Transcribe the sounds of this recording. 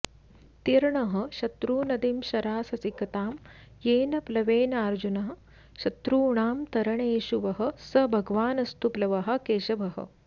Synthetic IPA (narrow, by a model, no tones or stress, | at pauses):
t̪iɾɳɐɦɐ̆ʃɐt̪ɾuːnɐd̪imʃɐɾaːsɐsikɐt̪aːm | jeːnɐplɐʋeːnɐaːɾd͡ʒunɐɦɐ̆ | ʃɐt̪ɾuːɳaːmt̪ɐɾɐɳeːʃuʋɐɦɐ̆sɐbʱɐɡʋaːnɐst̪uplɐʋɐɦɐ̆keːʃɐbʱɐɦɐ̰